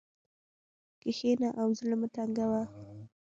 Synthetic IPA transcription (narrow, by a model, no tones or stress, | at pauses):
kexenaʔawzəlamət̪aŋɡawa